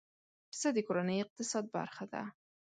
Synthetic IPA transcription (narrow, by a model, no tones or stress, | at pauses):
səd̪əkoɾanəjɪq̚t̪ɪsɑd̪̚ba̰ɾxad̪a̰